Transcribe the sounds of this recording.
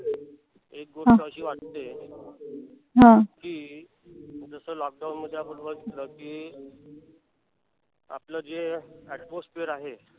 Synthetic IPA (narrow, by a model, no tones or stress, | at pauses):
ek̚ɡoɾʈəɕiːʋaʈt̪e | ɦãkiː | d͡zəsəːlɔk̚ɖaunməd̪ʱːeapəɳʋəɡit̪ləːkiː | a̰pləd͡zeɛʈposʈpeɾaɦe